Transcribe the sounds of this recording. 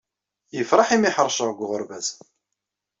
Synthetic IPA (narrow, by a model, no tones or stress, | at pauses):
jəfɾˤɑħimiħəɾˤʃəʁɡʷʁʊɾvæz